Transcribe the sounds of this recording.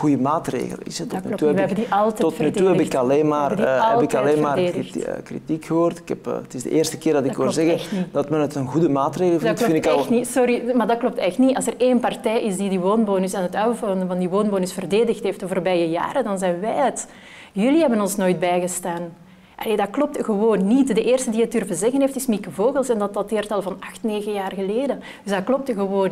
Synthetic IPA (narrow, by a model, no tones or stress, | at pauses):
ɣujəmaːtrḛːɣə̰lə̰nɪ̰sətːyltɛɛbədiʔɑlˠtɛɔtfnyuɛbɪkɑleːnmaːrɦɛlˠpɪkɑleːnmaːrdeːxə̰krḭtikxəɦoːrtɪ̥kɛpːətɪzdə̰ʔeːrstə̥kɪːrdɑtɪdkʋɪzɛɣəɛxnid̥ɑtmɛnətənɣudəmaːtreːɣlˠvnfɪnɪklˠtnisɔɾimaːdɑklɔp̚tɛxtniɑlˠsəreːnpɑrtɛːjʔɪsdidiʋoːnboːnʏsɛnɦətœːəvoəndəvɑndiʋoːnboːnʏsfərdeːdəxtɦeːftəvorbɛːjəja̰ːɾədɑnzɛjnʋɛjɦət | jʏliɦɛbənɔnsnoːjd̚bɛjɣəstaːn | ʔɑleːdɑklɔp̚tɣəwoːnːitdəʔeːrstədiːət̚dɵrvəzɛɣənɦeːftɪsmikəvoːɣəlˠsɛndɑtɑtɪːrtɑlˠvɑnɑxtneːɣəjaːrɣəleːdə | d̥ʏzdklɔp̚tɣəwoːn